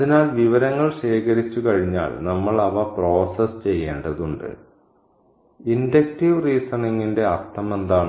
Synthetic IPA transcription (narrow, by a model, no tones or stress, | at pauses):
ɐðinaːlʋiʋɐɾɐŋːɐɭɕe̞ːkɐɾit͡ɕːukɐɻiɲːa̰ːlnɐmːɐɭɐʋɐpro̞ːsɐst͡ɕe̞jːḛːɳɖɐðuɳɖɨ̰ | indek̚tiʋriːsɐniŋːinde̞ɐrt̪ɐme̞nd̪aːɳɨ